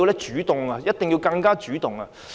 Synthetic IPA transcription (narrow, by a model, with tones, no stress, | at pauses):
i˧wlɛː˥t͡ʃyː˨˥t̪ʊ˨ŋaː˧jɐ˥t̚t̪ɪ˨ŋjiː˧wkɐ˧ŋkaː˥t͡ʃyː˨˥t̪ʊ˨ŋɐ˧